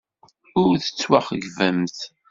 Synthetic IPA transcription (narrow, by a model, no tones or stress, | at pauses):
ʊɾθə̥t͡sːwaχəʝvəmθ